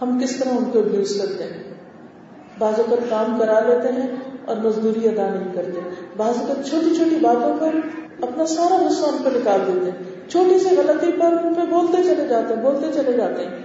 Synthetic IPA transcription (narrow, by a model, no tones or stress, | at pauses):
ɦɐmkɪst̪ɐɾaʊnkobjuːzkɐɾt̪eɦɛ̃ː | baːzõkɐɾkaːmkɐɾaleːt̪eɦɛ̃ɔ̰ːɾmɐzd̪uːɾiɐd̪anɐɦĩkɐɾt̪eɦɛ̃baːzõkɐɾt͡ʃʰoːʈit͡ʃʰoːʈibaːzõpɐɾ | ɐpnasaːɾanʊsaːnpɐnɪkaːld̪eːt̪eɦɛ̃ | t͡ʃʰoːʈiseɣɐlət̪ipɐɾʊnpeboːlt̪et͡ʃɐled͡ʒaːt̪eɦɛ̃boːlt̪et͡ʃɐled͡ʒaːt̪eɦɛ̃ː